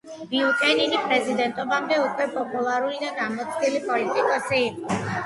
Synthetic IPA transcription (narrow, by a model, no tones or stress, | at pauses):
biukʼɛninipʼɾɛzid̪ɛnt̪ʼɔbamd̪ɛukʰwɛpʼɔpʼulaɾulid̪anamɔt̪sʰilipʼɔlit̪ʼikʼɔsiːqʼɔ